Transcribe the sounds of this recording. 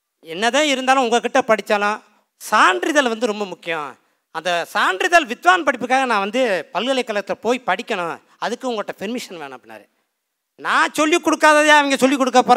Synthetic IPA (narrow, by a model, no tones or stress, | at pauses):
ɛnːɐðãːɪɾɯnd̪aːlʊ̃ʊŋɡɐkːɪʈːɐpɐɽɪt͡ʃːɐːlʊ̃ | saːɳɖɾɪðɐlʋɐnd̪ɯɾɔmbɐmʊkːɪjõ̰ | ɐnd̪ɐsaːɳɖɾɪðɐlʋɪt̪ʋaːnpɐɽɪpːɯkːaːɣɐnãːʋɐnd̪ɯpɐlɣɐɭɐɪkːɐlɐɣɐt̪ːɪlɐpoːjpɐɽɪkʲːɐɳʊ̰̃ | ɐðɯkːɯʊŋɡɐɭoːʈːɐfɪɾmɪʂɐnʋeːɳʊ̃ɐp̚ːɽɪnːa̰ːɾɯ | nãːt͡ʃɔlːikːɔɽɯkːaːðɐðjaːɐʋɐŋɡɐsɔlːikːɔɽɯkːɐpːoːɾ